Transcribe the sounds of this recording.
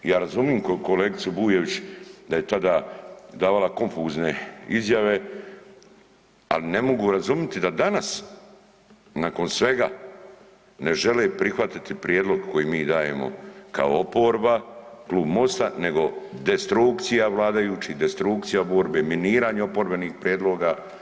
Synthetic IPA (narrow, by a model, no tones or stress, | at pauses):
jaːɾazumiːmkoko̞leːɡit̪subuːje̞ʋit͡ɕd̪aje̞t̪ad̪aːd̪aːʋalˠako̞ɱfuːzne̞izjaʋe̞ | a̰line̞mo̞ɡuɾazumjet̪id̪ad̪anas | nako̞nsʋe̞ɡa̰ | ne̞ʒe̞lepɾixʋat̪it̪ipɾjeːd̪lo̞ɡko̞jiːmiːd̪aːje̞̰mo̰ka̰o̰opo̞ːɾbakluːbmo̞st̪ane̞ɡo̞d̪est̪ɾukt̪sijaʋlˠaːd̪ajuːt͡ʃid̪est̪ɾuk̚t̪sijabo̞ːɾbeːminiːɾaːɲeo̞po̞ɾbe̞niːxpɾjed̪lo̞ːɡa